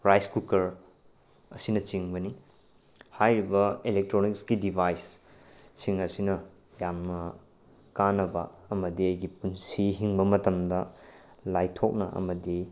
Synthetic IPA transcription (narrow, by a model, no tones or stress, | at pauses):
ɾajskukɐɾ | ɐsinɐt͡ʃiŋbɐni | hajɾibɐilek̚tɾonikskidibʱajsː | iŋɐsinɐ | jamnɐ | kanɐbɐ̰ːmɐdiɐjɡipunsiɦiŋbɐmɐtɐmdɐ | lajtʰok̚nɐʔɐ̰mɐdi